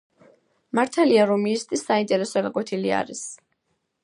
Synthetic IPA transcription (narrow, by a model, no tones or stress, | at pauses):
maɾt̪ʰaliaɾɔmist̪ʼisːaint̪ʼɛɾɛsɔɡakʼwɛt̪ʰilia̰ɾis